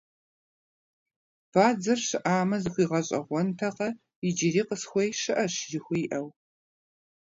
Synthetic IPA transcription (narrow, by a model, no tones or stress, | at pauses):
b̥aːd͡zɐrɕɨʔaːmɐzɨxʷiːʁɐɕʼɐ̰ʁʷɔntʰɐqɐ | ɪd͡ʒɪɾiːqəsxʷejʃɨʔɐɕjɪxʷʊjʔɐw